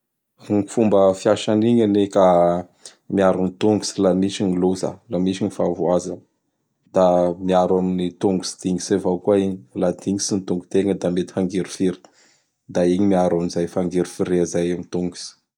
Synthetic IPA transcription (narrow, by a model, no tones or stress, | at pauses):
uŋifumbəfiaʃaniɲaneka | miaɾunit̪uŋɡusilamiʃiniloza̰lamisinifavuazanə̥ | d̪̥amiaɾaminit̪uŋɡusi̥d̪̥iŋisevawkuaiɲilad̪iŋisinit̪uŋɡut̪eŋəd̪amet̪i̥faŋɡeɾufiɾi̥ | d̪aiɲimiaɾamiizajfaŋɡeɾufiɾezajamit̪uŋɡu̥si̥